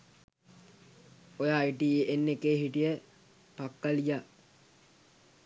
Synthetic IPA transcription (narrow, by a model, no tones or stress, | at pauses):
ojaːiʈiːenːekeːɦiʈijə | pakːalija